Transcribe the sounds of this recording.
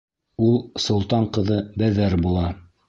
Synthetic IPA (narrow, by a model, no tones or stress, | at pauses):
ulˠsŏlˠt̪ɑɴqɤ̆ðɤbæðæɾbulˠɑ